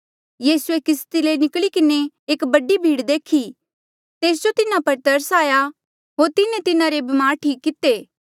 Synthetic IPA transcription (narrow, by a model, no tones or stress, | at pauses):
jiːsuekɪst̪ilenɪkɭikɪne | eːkbɐɖibʱiːɽd̪eːkʰi | t̪eːs̬d͡ʒot̪ɪnapɐɾt̪ɐɾsaːja | ɦoːɾt̪ɪnet̪ɪnãɾebɪmaːɾʈʰiːkːɪt̪eː